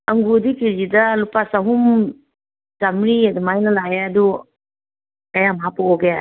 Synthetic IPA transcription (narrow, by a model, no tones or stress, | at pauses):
ɐŋɡudikid͡ʒidɐlupasaɦum | tamɾiadumajnɐlajaːdu | kajamaɦapɔɔɡeja